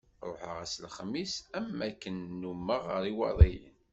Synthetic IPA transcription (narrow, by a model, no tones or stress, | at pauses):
ɾˤoħə̰ʁæslχmːisæmːækːənːumːəʁəɾiwɑ̰ðˤij